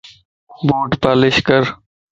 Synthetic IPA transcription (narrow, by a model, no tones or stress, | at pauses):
boːʈpaːlɪʃkəɾ